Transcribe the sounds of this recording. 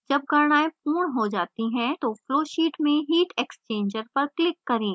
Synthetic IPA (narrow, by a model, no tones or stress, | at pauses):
d͡ʒɐb̚ɡɐɾɳaːepuːɳɦod͡ʒaːt̪iɦɛ̃t̪ofloːʃiːʈmẽɦiːʈeːkst͡ʃẽːɲd͡ʒəɾpɐɾʈɪkːɐɾẽː